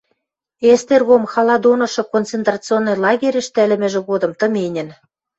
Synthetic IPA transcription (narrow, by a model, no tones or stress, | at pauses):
est̪erɣomxɑlˠɑd̪onɤ̆ʃɤ̆kont͡sent̪rɑt͡sɨonːŏjlˠɑɣʲeɾʲɘ̆ʃt̪ælɘ̆mɘ̆ʒĕɣod̪ɤ̆mt̪ɤ̆menʲɘ̆n